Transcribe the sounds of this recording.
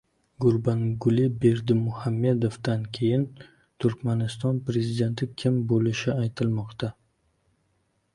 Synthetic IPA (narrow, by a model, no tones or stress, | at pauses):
ɡʊɾbaŋɡʊlɪbe̞ɾd̪ɪmʊhamːe̞d̪ofd̪ankʲʰe̞jɪn | t̪ʰʊɾkʲmanɪst̪ɒnpɾe̞zid̪e̞nt̪ʰɪkʲʰɪmbolɪʃɪajt̪ʰɪlmɒqt̪a